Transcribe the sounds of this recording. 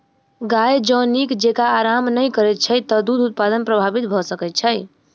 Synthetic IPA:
ɡajd͡ʒə̃nikd͡ʒekaːɾamnəjkəɾɛt̪̚t͡ʃʰəjt̪əd̪ud̪ʱut̪̚pad̪ənpɾəbʱabit̪̚bʱɔsəkɛt̪̚t͡ʃʰəj

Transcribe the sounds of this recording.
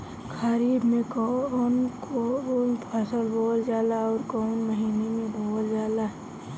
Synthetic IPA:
kʰaɾiːbmẽkonkoonpʰasəlboːld͡ʒaːlaɔːɾkɔʊnməɦiːnemẽbʱoːld͡ʒaːlaɦɛ

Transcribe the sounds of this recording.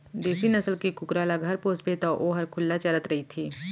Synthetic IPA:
d̪eːsinɐsəlkikʊkɾaːlaɡʱɐɾpoːsbet̪aʔoːɦɐɾkʰʊlːat͡ʃɐɾət̪ɾɐɦit̪ʰiː

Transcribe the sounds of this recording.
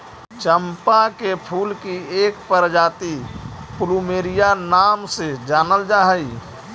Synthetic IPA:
t͡ʃəmpakepʰuːlkieːkpəɾd͡ʒaːt̪ipʊlumeːɾijanaːmsed͡ʒaːnəld͡ʒaːɦəi

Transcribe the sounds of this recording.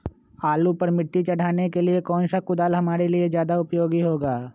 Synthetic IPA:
aːlupɐɾmɪʈːit͡ʃɐɽ̤ʱaːnekeliekɔːnʃakʊd̪aːlɦɐmaːɾeliezjaːd̪aʊpjoːɡiɦoːɡaː

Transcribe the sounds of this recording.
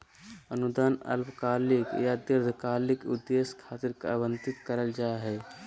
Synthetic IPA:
ənud̪aːnə̰lpkaːlikjad̪iɾd̪ʱkaːlikud̪ːeskʰaːt̪ɪɾkabənt̪ɪt̪kəɾəld͡ʒaeɦɛː

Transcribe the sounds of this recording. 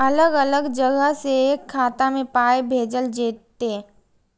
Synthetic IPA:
ɐləɡɐləɡd͡ʒəɡəɦsekʰːaːt̪amẽpaːebʱeːd͡ʒəld͡ʒeːt̪ːe

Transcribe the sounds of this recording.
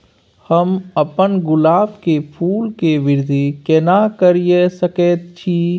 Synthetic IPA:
həmɐpənɡʊlaːbkepʰuːlkeʋɪɾd̪ʱikɛnakəɾiesəkeːt̪̚t͡ʃʰiː

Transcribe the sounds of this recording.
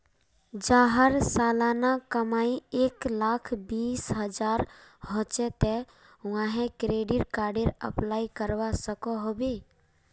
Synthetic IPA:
d͡ʒaːɦəɾsaːlaːnakəmaːieːklaːkʰbiːsɦəd͡ʒaːɾɦõt͡ʃet̪e | ʋãːɦẽkɾeːɖɪʈkaːɾɖeɾə̰plaːikəɾwasəkoɦoːbeː

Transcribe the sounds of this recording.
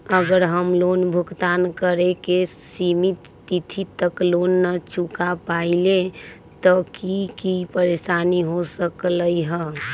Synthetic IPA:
əɡəɾɦəmlonbʱʊɡt̪aːnkəɾekesimit̪ː | it̪ʰit̪ːəklonːət͡ʃukapaile | t̪ɔkikipəɾesaniɦosəkləiɦə

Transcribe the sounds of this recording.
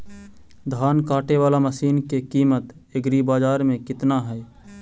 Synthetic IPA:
d̪ʱaːnkaːʈeʋaːlaməsiːnkekiːmət̪ | eɡɾibaːd͡ʒaːɾmẽkɪt̪naɦɛː

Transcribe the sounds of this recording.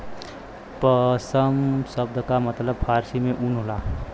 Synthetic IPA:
pəsəmsəb̚d̪ʱkamət̪ləbfʰaːɾsimẽʔunɦolaː

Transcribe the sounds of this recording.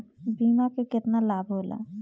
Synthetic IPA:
biːmakekɪt̪nalaːbʱɦoːla̰ː

